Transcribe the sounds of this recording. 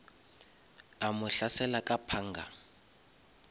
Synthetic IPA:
amʊɬasɛlakʼapʰaːŋɡʱa̰

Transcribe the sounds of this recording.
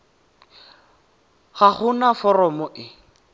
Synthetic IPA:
χaχʊnafɔrɔmɔʔɪ

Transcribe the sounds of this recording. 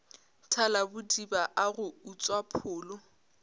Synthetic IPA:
tʰalabʊdibaʔaɣʊut͡sʼwapʰʊːlʊ

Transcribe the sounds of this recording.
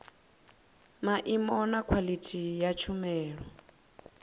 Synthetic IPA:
maʔimɔnakʰwalitʰijat͡ʃʰumɛːɺɔ

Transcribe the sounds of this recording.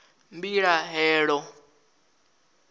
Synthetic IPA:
mbiɺaɦɛːɺɔ

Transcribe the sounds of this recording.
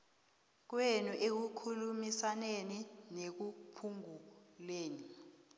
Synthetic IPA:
k̬wenuʔek̬ukʰulumisaneninek̬upʰuŋuleːni

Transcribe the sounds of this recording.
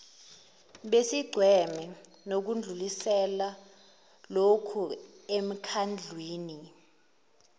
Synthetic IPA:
ɓesiɡ͡ǀʱwɛmɛ | nok̬und͡ɮʱulisɛla | lokʰuem̩kʰand͡ɮʱwiːni

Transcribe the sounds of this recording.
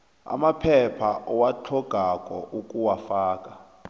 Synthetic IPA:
a̰mapʰɛpʰaʔɔwat͡ɬʰɔɡ̥ʱakʼɔʔukʼuwafaːkʼa

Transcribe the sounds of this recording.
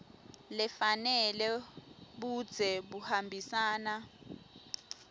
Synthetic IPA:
lɛfanɛlɛɓud̥d͡z̥ʱɛɓuhambʱisaːna

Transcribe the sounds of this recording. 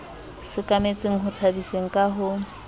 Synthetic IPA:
sɪkʼamet͡sʼeŋ̩ɦʊt͡sʰabiseŋ̩kʼaɦʊ

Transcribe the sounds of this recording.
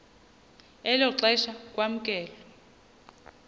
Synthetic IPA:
ɛlɔǁɛʃak̬ʼwam̩kʼɛːlɔ

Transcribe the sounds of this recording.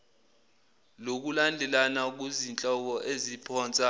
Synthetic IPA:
lok̬ulandʱɛlanak̬uzint͡ɬʼɔk̬ɔʔezipʰɔːnt͡sʼa

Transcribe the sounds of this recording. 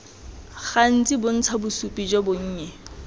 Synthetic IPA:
ɣan̩t͡sʼibʊn̩t͡sʰabʊsupʼid͡ʒɔbʊŋ̩ːɲɛ

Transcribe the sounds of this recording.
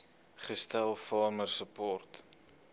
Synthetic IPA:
χəstælˠfɑːrmərsəpɔrt

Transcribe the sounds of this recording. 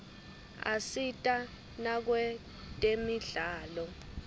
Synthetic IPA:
a̰sitʼa | nak̬wɛ | tʼemiɮaːlɔ

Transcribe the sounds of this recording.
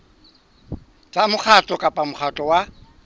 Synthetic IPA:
t͡sʼamʊk͡xʰat͡ɬʼɔkʼapʼamʊχʰatʼɔwa

